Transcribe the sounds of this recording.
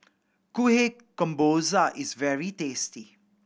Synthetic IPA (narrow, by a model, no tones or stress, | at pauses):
kuɦe | ə̃mboːzaʔɪzʋɛɹiteːsti